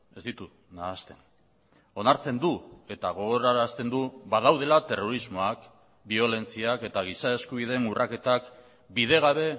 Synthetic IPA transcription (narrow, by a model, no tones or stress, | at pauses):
e̞zd̪it̪u | naːst̪e̞n | o̞naɾt͡se̞nd̪ue̞t̪aɣ̞o̞ɣo̞ɾaɾast̪e̞nd̪uβaðawðe̞lat̪e̞ro̞ɾizmo̞ak | bio̞le̞nt͡siake̞t̪aɣ̞isae̞skuβ̞iðe̞nurʔake̞t̪ak | bið̞e̞ɣ̞aβ̞e̞